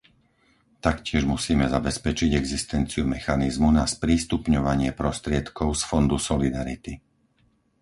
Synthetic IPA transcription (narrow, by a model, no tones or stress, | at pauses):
t̪akcɪɛʒmusiːmɛzabɛspɛt͡ʃiɟɛɡzist̪ɛnt͡siumɛxanizmunaspɾiːst̪upɲɔʋaɲɪɛpɾɔst̪ɾɪɛt̪kɔʊsfɔnd̪usɔlid̪aɾit̪i